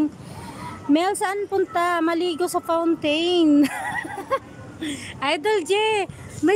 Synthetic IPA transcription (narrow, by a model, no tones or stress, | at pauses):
ŋ | mɛlsaʔanpʊnt̪amɐliːɡosɐfawnt̪ejn | ʔajd̪old͡ʒɛ | ma